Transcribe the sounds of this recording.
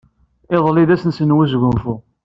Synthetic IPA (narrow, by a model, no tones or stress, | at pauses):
eðˤliðæsənsənwizʝʊmfʊ